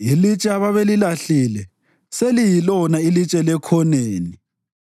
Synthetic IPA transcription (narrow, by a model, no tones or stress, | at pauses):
ilit͡ʃʼɛaβaβelilaɬilɛ | selijilɔnailit͡ʃʼɛlɛkʰɔneːni